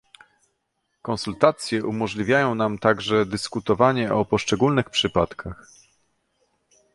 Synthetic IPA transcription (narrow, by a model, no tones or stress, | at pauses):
kɔnsult̪at̪sʲjɛʔumɔʐlʲivʲjajɔ̃w̃namt̪aɡʐɛd̪ɘskut̪ɔvaɲɛʔɔpɔʂt͡ʂɛɡulnɘxpʂɘpat̪kʰax